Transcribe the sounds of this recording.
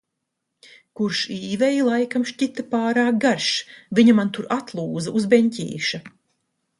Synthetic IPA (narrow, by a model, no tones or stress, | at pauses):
kuɾʃiːvɛjilˠajkamʃcit̪apaːɾaːk̚ɡaɾʃviɲamant̪uɾat̪lˠuːzɐʔuzbɛɲʲcʲḭːʃa